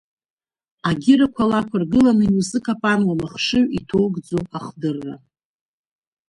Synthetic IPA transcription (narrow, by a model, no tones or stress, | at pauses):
aɡʲɪɾakʷʰalakʷʰarɡɨlanɨnusɨkʰapʼanwamaχʂɨɥitʰo̞wɡd͡zoaχdɨrːa̰